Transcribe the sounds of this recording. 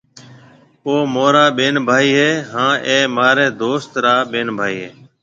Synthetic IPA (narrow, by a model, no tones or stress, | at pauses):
oːmoːɾaːɓeːnbʱaːiːɦeːɦãːʔeːmaːɾɛ̃ːd̪oːst̪ɾaːɓeːnbʱaːiːɦeː